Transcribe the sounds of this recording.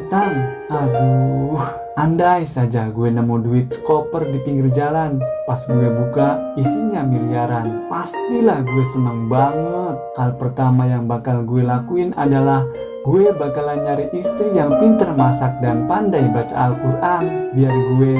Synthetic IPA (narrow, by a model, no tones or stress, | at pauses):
t̪aŋ | aɡuh | andajsad͡ʒaɡuenamuduit̪̚skopərdipiŋɡird͡ʒalanpasɡuebukaisiɲamiliaɾanpast̪ilahɡuesənəŋbaŋət̪̚halpərt̪amajaŋbakalɡuɛlakuina̰dalah | ɡuebakalaɲaɾiist̪ɾijaŋpint̪ərmasak̚danpandajbat͡ʃa̰ːlkurʔanbiaɾiɡue